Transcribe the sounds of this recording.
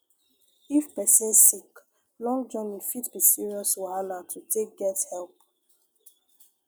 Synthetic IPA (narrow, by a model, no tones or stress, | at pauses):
ifpɛsĩnssik | lɔ̃ŋd͡ʒɔnifitbisiɹiɔsuanatʰutʰek̚ɡɛthɛlp